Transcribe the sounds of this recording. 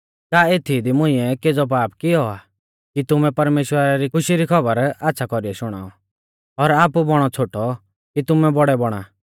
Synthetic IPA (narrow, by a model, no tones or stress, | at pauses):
kaːeːt̪ʰid̪imʊ̃ĩɛked͡zɔp̬aːpkiɔa | kit̪ʊmɛpɐɾmeːʃwəɾaɾikʊʃiɾikʰɐbəɾatːʃʰakɔɾiɛʃʊɽ̃a̰ːɔ | ɔɾaːpubɔɽ̃ɔt͡sʰoːʈɔ | kit̪ʊmɛbɔɽɛbɔɽ̃a̰ː